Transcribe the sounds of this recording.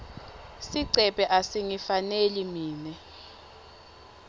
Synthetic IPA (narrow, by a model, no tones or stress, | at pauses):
siǀɛpʼɛʔasiŋifanelimiːnɛ